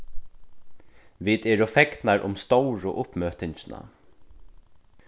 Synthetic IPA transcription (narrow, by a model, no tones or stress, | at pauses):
ʋɪːt̪ɛːɾʊfɛk̪naɾʔʊ̰mst̪owɹʊ̰ʔʊpmøːht̪ɪɲt͡ʃɪna̰